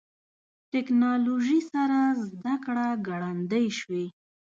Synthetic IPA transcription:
ʈɪknɑloʒisaɾazd̪akɽaɡaɽand̪əjʃwi

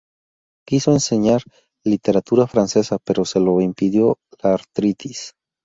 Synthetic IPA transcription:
kiso̞ense̞ɲaɾ | lit̪e̞ɾat̪uɾafɾanse̞sape̞ɾo̞se̞lo̞impiðjo̞laɾt̪ɾit̪is

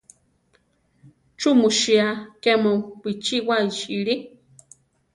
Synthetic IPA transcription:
t͡ʃumuʃiakemopit͡ʃiwaiʃiɺi

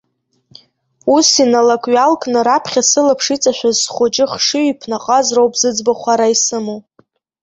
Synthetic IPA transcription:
usinalakʷʼɥalkʼnɨɾapʰχʲasɨlapʰʂit͡sʼaʃʷᶣazsχʷot͡ʃʼɪχʂɨipʰnaqʼazrowpʼzɨd͡zbaχʷaɾaisɨmow

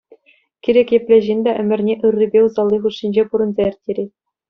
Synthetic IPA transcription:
kʲiɾʲekʲjɘ̆plʲeʑinʲd̪æʔɘ̆mʲɘ̆rʲnʲeʔɯrːibʲeuzɑlˠːiχuʂːinʲd͡ʑepuɾɤ̆nzɑɘ̆rʲtʲːeɾʲe

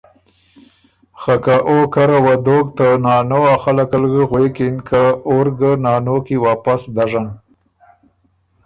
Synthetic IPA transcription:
xakaʔokaɾawad̪oɡt̪ənɑnoaxalakalɡəɣwekinkʰaoɾɡənɑnokiwɑpasd̪aʐan

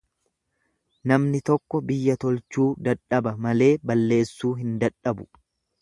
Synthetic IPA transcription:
nɐmnɪt̪ɔkːɔbɪjːɐt̪ɔlt͡ʃuːd̪ɐᶑɐbɐmɐle̞ːbɐlːe̞ːsːuːɦɪnd̪ɐᶑɐbʊ

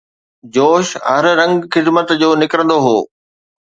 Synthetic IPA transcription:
d͡ʑoːʃɦɐɾɾɐ̃ŋɡxɪd̪mət̪d͡ʑoːnɪkɾə̃nd̪oɦoː

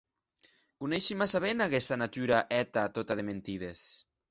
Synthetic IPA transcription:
kunɛʃimasaβenakɛst̪anat̪yɾaʔɛt̪at̪ot̪aðement̪iðes

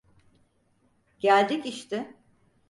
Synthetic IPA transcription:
ɟ̥ælʲd̪iciʃt̪ɪ

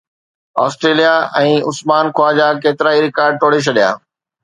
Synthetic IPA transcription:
ɔːsʈɾeːlijaɛ̃ːʊsmaːnkʰʊaːd͡ʑaːkeːt̪ɪɾaːiɾɪkaːɾɖ̚ʈ̪ʰoːɽet͡ɕʰɐɗija̰ː

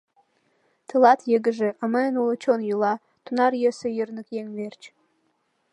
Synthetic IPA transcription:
t̪ɨlɑt̪jəɡə̆ʒĕʔɑməənulət͡ɕonjulɑ | t̪unɑrjəsə̆jərnə̆kjeŋβert͡ɕ

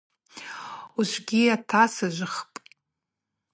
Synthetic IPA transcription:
uʃʷɡʲiatʰasaʒʷɨχpʼ

